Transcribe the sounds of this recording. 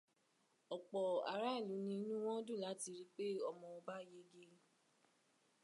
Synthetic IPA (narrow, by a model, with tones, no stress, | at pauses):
ɔ˨k͡pɔ˨a˨˦ɾa˦˨lu˨˦nĩ˧˦nũ˦w̃ɔ̃˦dũ˦˨la˨˦ti˧ɾi˦k͡pe˦ɔ˧˨mɔ̃˧o˧ba˦je˦ɡe˧